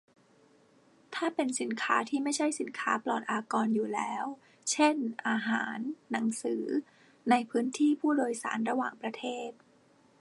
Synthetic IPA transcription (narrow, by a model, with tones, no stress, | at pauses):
t̪ʰaː˥˩pe˧nsi˨˩˦nkʰaː˦˥t̪ʰiː˥˩ma˥˩jt͡ɕʰa˥˩jsi˩˦nkʰa̰ː˦˥plɔː˨˩t̪̚ʔaː˧kɔː˧njuː˨˩lɛː˦˥w | t͡ɕʰe˥˩nʔaː˧ɦaː˩˦nːa˩˦ŋsɯː˩˦ | a˧jpʰɯː˦˥nt̪ʰiː˥˩pʰuː˥˩doː˧jsa̰ː˩˦nɾa˧waː˨˩ŋpɾa˧t̪ʰeː˥˩t̪̚